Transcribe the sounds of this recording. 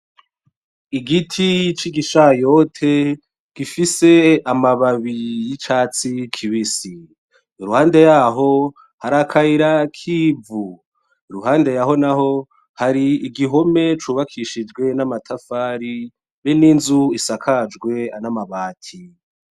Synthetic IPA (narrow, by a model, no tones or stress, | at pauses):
iɡitʰit͡ʃiɡiʃajo̞tʰe | ɡ̥ifise̞amaβaβijit͡ʃaːt͡sikʰiβisiː | ɾuhaːnde̞jaːɦo̞ | haɾakʰaiɾakʰiːvu | iɾuɦaːnde̞jaɦo̞naɦo̞ | haɾiːɡiɦo̞me̞t͡ʃuːβakʰiʃid͡ʒɡwe̞namatʰafaːɾi | βeninzuisakʰad͡ʒɡwe̞anamaβaːtʰi